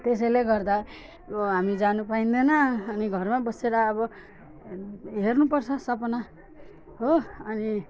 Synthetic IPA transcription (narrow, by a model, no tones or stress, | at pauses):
t̪es̬ʌjleɡʌrd̪a | ʌbʌɦamid͡zanupaĩnd̪enʌːniɡʱʌrmabʌseɾʌːbʌ | ɦernupʌrt͡sʰʌsʌpʌna | ɦoʌni